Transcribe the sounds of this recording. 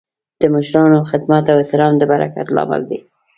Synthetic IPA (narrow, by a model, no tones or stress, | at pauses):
d̪̥əməʃɾɑnoxɪd̪mat̪aweht̪ɪɾɑmd̪əbaɾa̰ka̰t̪lɑ̰mə̰ld̪e